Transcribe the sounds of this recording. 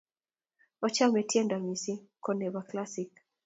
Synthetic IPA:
ɔt͡ʃa˦mɛ˨ti˦ɛ˦nda˨misi˦kɔnɛβa˨klasik

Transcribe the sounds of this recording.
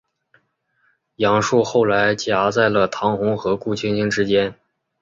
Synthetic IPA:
jɑ˧˥ŋʂu˥˧xo˥˩ʊla˧˥ɪt͡ɕja˧˥t͡sa˥˩ɪlə˩t̪ʰɑ˧˥ŋxʊ˧˥ŋxɤ˧˥ku˥˩t͡ɕʰi˥nɕi˥ŋʈ͡ʂɻ̩˥t͡ɕjɛ˥n

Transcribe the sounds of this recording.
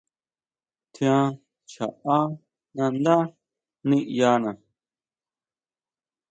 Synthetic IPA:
t̪ʰj̃ã˧ | t͡ʃa̰˨ʔa˦ | nã˧nd̪a˦ | nĩ˦ʔja˧nã˨

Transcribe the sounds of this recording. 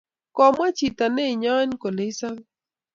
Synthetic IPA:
kɔ˨mwa˦t͡ʃi˨ta˨ne˦˨ɲɔ˦nko˨le˨i˦sa˦ŋ

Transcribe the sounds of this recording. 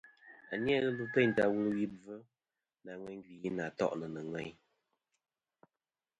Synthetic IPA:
a̰˨njɛ˦ɣə˦lu˦pɛ˦˨n˨ta˨wu˦wi˦b͡və˦ | na˨ŋwɛ˦ŋ˦ɡi˨ji˦na˨tɔ̰˦˨ʔnə˨nə˨ŋwɛ˦ɲ

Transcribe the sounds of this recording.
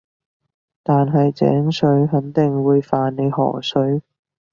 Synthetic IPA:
t̪aː˨nɦɐ˨jt͡sɛ̰ː˨˥ŋsɵ˨˥ɥɦɐ˨˥nt̪ɪ˨ŋwuː˨˧jfaː˨nne˨˧jɦɔ̰ː˨˩sɵ˨˥ɥ

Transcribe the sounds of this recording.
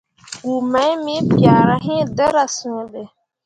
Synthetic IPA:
ɡu˨mã˨˦mĩ˦pi˨aː˨ɾa˨ɦĩ˦˨dɛ˦ɾa˨sũ˨ŋ˨le˨

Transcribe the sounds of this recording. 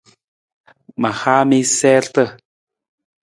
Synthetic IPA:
ma˨xa˦mi˦sɛ˦ɬt̪ə˦

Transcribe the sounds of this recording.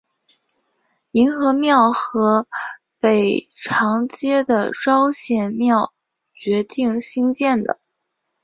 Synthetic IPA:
i˧˥nxɤ˧˥mjɑ˥˩ʊxɤ˧˥ | pe˨˩ɪʈ͡ʂʰɑ˧˥ŋt͡ɕjɛ˥d̪ə˨ʈ͡ʂɑ˥ʊɕjɛ˨˩nmjɑ˥˩ʊ | t͡ɕɥɛ˧˥t̪i˥˩ŋɕi˥ŋt͡ɕjɛ˥˩nd̪ə̰˩

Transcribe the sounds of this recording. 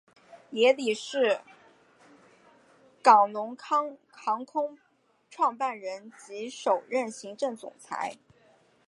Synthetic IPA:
jɛ˧˥li˨˩ʂɻ̩˥˩ | kɑ˨˩ŋlʊ˧˥ŋkʰɑ˥ŋkʰɑ˧˥ŋkʰʊ˥ŋ | ʈ͡ʂʰwɑ˥˧ŋpa˥˩nɻə˧˥nt͡ɕi˧˥ʂo˨˩ʊɻə˥˩nɕi˧˥ŋʈ͡ʂɤ˥˩ŋt͡sʊ̰˨˩ŋt͡sʰa̰˧˥ɪ

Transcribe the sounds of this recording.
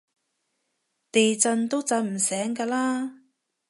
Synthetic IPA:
t̪e˨jt͡sɐ˧nt̪o˥wt͡sɐ˨˧˥nm̩˨˩sɛː˨˥ŋkaː˧laː˥

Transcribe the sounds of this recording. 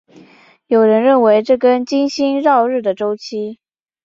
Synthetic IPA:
jo˨˩ʊɻə˧˥nɻə˥˩nwe˧˥ɪʈ͡ʂɤ˥˩kə˥nt͡ɕi˥nɕi˥nɻɑ˥˧ʊɻɻ̩˥˩d̪ə˩ʈ͡ʂo˥ʊt͡ɕʰi˥

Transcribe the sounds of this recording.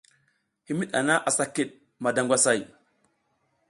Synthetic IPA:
hi˦mi˦ɗa̰˨na˦ʔa˨sa˦ki˦˨ɗ̚ | ma˨da˨ŋɡʷa˦sa˦˨j

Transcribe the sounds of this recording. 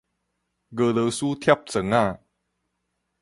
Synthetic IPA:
ɡɤː˧lɤː˧suː˦˥t̪ʰjɛ˥˩p̚t͡sə˨˦ŋaː˥˩˨

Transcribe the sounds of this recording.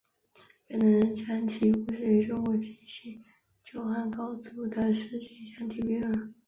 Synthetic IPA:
pə˨˩nd̪ə˧˥ɻə˧˥nʈ͡ʂʰa˧˥nt͡ɕʰi˧˥˩pu˧˥ʂɻ̩˥˩y˧˥ʈ͡ʂʊ˥ŋkwɔ˧˩t͡ɕʰi˥˩ɕi˥˩ | t͡ɕjo˥˩ʊxa˥˩nkɑ˥ʊt͡su˧˥d̪ə˧ʂɻ̩˥˧t͡ɕi˥˩ɕja˥nt̪ʰi˧˩pi˥ə˨˩

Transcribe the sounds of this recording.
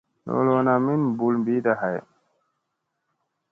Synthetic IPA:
lo̰˨lo˨na˨mi˦nbu˨lmbi˦d̪a˨ɦa˨j

